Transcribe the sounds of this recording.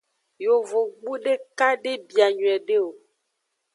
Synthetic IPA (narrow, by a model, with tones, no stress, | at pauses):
jo˨vo˨ɡ͡bu˦ɖe˦ka˦ɖe˦bi˨a˨ɲwɛ˨ɖe˦o˨